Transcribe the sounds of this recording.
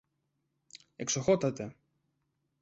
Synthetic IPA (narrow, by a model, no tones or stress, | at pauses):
eksoxo̞t̪ɐt̪e̞